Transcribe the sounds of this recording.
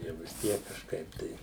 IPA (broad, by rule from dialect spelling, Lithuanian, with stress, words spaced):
jɛʊ ʋʲɪs ˈtʲiɛk kɐʃˈkɐɪp tɐɪ